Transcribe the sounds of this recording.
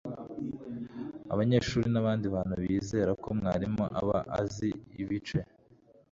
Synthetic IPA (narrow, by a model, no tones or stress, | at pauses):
a̰βaɲe̞ːʃuːɾinaβaːndiβaːn̥huβiːze̞ːɾakomŋaːɾimoʔa̰βa̰ʔa̰ziiβit͡ʃe̞